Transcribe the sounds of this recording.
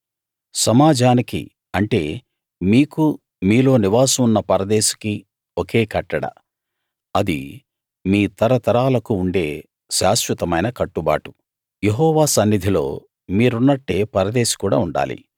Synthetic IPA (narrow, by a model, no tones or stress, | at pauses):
sɐmaːd͡ʒʱaːnikḭ | ɐɳʈe̞̰ː | miːku | miːlo̞ːniʋaːsɐmunːɐpɐɾɐd̪eːʃɐ̥ki | oke̞ːkɐʈːɐɽɐ̰ | ɐd̪ḭ | miːt̪ɐɾɐt̪ɐɾaːlɐkuuɳɖe̞ː | ʃaːʃʋɐt̪ɐmɐjnɐkɐʈːuba̰ːʈu̥ | jeɦɔːʋaːsɐnːid̪ʱilo̞̰ː | miːɾunːɐʈːe̞ːpɐɾɐd̪eːʃi̥kuːɽa̰ːuɳɖa̰ːlḭ